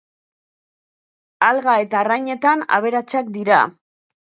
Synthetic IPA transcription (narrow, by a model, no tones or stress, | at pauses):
alɣae̞t̪aːrajɲe̞t̪ana̰β̞e̞ɾat͡sakd̪iɾa̰